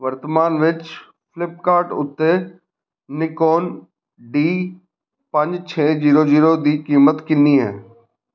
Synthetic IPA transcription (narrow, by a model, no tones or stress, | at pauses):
ʋɐɾt̪əmaːnʋɪt͡ʃ | fɪlɪp̚kaːɾʈʊ̰t̪ːe | nɪkoːn | ɖiː | pɐ̃ɲd͡ʒt͡ɕʰeːziːɾoziːɾod̪iːkiːmət̪kɪ̃niɦɛː